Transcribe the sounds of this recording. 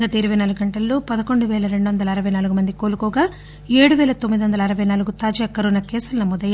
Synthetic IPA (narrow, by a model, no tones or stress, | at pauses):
ɡaːt̪eːɾiʋenaːluɡɡɐɳʈɐlːoːpɐd̪ɐko̞ɳɖuʋɛːlɐɾe̞ɳɖuʋɐnd̪ɐlɐːɾɐʋɐjnaːluɡumɐnd̪ikoːlukɔːɡaː | eːɽuʋɛːlɐt̪omːid̪iʋɐnd̪ɐlɐːɾɐʋɐjnaːluɡut̪aːd͡ʒɐɐkːɐɾunɐkɛːsulɐnɐmɔːd̪ɐja